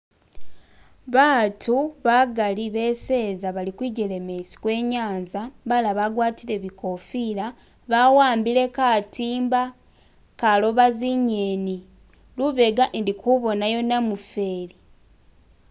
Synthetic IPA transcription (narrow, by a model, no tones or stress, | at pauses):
βaːtʰuβaɡaliβe̞se̞ːzaβalikwiɟele̞mesi̥kwe̞ːɲaːnzabalaβaɡwaːtile̞βiko̞fila | βawaːmbile̞katʰiːmba | kalo̞βaziɲeni | luβe̞ɡaʔndikʰuβo̞najo̞namufe̞ːli